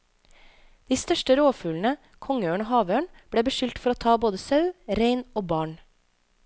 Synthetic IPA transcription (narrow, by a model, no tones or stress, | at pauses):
d̪̥iːst̪œʃʈəɾoːfʉːln̩ə | kʰɔŋəøːɳoːhɑːʋøːɳb̥ɽeːbəʃʏlt̪fɔɾoːt̪ʰɑːboːd̪əsɑʉɾeɪnoːbɑːɳ